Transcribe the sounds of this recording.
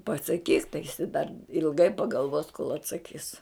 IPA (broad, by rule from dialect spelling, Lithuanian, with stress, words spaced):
pɐsɐˈkʲiːk tɐɪ jɪˈsɐɪ dɐr ɪlˠˈɡɐɪ pɐɡɐlˠˈʋoːs koːlˠ ɐtsɐˈkʲiːs